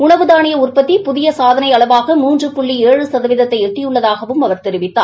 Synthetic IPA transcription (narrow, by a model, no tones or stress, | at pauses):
ʊɳɐʋɯðaːnɪjɐʊrpɐt̪ːipʊðɪjɐsaːðɐnɐɪɐɭɐʋaːɣɐmuːndrɯpʊɭːieːɻɯsɐðɐʋɪðɐt̪ːɐɪɛʈːɪjɯɭːɐðaːɣɐʋɯmɐʋɐɾt̪ɛɾɪʋɪt̪ːa̰ː